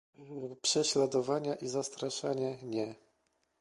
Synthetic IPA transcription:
pʂɛɕlad̪ɔvaɲaʔizast̪ɾaʂaɲɛɲɛ

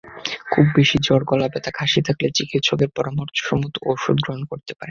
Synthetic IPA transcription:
kʰubːeʃid͡ʑɔɽkɔlabet̪akʰaʃit̪ʰaklet͡ɕikit̪ʃɔɡeɾpɔɾamɔɾt͡ɕʰo̥ʃomut̪ooʃud̪̚ɡɾoɦonkoɾt̪epaɾe

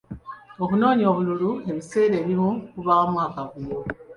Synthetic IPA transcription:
okuno̞ːɲo̞ːβululue̞βise̞ːɾeːβimukuβaːmwaːkaβujo

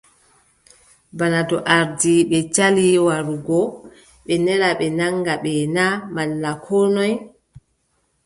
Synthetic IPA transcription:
banadɔʔaɾdiɓɛt͡ʃaliwaɾuɡɔ | ɓɛnɛɾaɓɛnaŋɡaɓɛnamalːakʰɔːnɔj

